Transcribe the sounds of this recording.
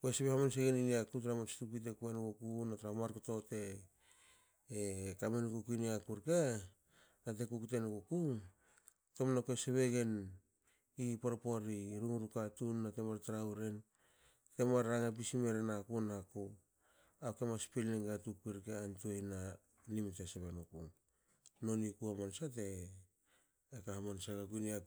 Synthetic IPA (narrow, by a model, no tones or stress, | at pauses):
koeseβehamans̬eɡeniniakut̬ɾamasi̥tukit̬ekuenkokunataɾamaɾkoto̞te̞ | kamenkukuiniakuɾka | nat̬e̞kukutenkoku | tomnakoeseβeɡe̞n | ipoɾopo̞ɾiɾuŋɾukatunːatemaɾtaɾawɾen | temaɾaŋap̬isime̞ɾenakunako | akemaspilniŋɡatuk̚piɾkeantojna | limteseβenokuŋ | no̞nikuamonsate | kaamonsaɡakunia